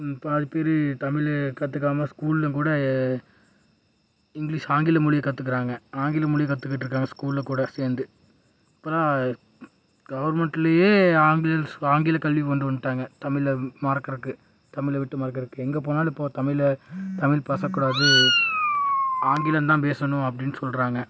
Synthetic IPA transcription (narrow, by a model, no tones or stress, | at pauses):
pɐðɯpeːɾɯt̪ɐmɪlkɐt̪ːɯk̬ːaːmɐskuːlɪlɐkuːɽɐ | ɪŋɡliːʂaːŋɡɪlɐmʊɭɪjɐkɐt̪ːɯkːɪɾaːŋɡɐaːŋɡɪlɐmʊɭɪjɐkɐt̪ːɯkːɪʈːɪɾɯkːaːŋɡɐskuːllɐkuːɽɐseːɾnd̪ɯ | ɪpːɐɾaː | ɡɐʋɐɾmɛɳʈːɪlɐjeːaːŋɡɪlɐaːŋɡɪlɐkɐlʋikɐnd̪ɯʋɐnd̪ɯʈːaːŋɡɐt̪ɐmɪlmaːɾkːɪɾɯkːɯ | t̪ɐmɪlɐʋɪʈːɯmaːɾk̬ːɪɾɯkːɯɛŋɡɐp̬oːnaːlɪpːoːt̪ɐmɪlt̪ɐmɪlpɐsɐkːuːɽaːðɯ | aːŋɡɪlɐnt̪ãːpeːsɐnʊ̃ɐp̬ːɐɽɪnːɯsɔlɾaːŋɡɐ